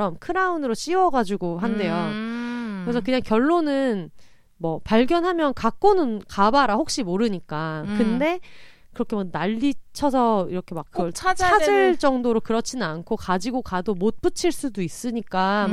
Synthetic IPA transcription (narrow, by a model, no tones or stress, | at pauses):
ʌmkʰɯɾaunɯɾoɕ͈iwʌɡad͡ʑuɡoɦande̞jo | kɯɾe̞sʰʌkɯɲaŋkjʌɭːonɯn | mʌpaɭɡjʌnɦamjʌnkak͈onɯnkabaɾahok̚ɕ͈imoɾɯɲik͈akɯnde̞ | kɯɾʌkʰe̞mak̚naʎːit͡ɕʰʌsʰʌiɾʌkʰe̞makk͈ːɯɡʌɭt͡ɕʰt͡ɕʰad͡ʑɯɭd͡ʑʌŋdoɾokɯɾʌt͡ɕʰinɯnankʰokad͡ʑiɡokadomot̚p͈ɯt͡ɕʰiɭs͈udois͈ɯɲik͈a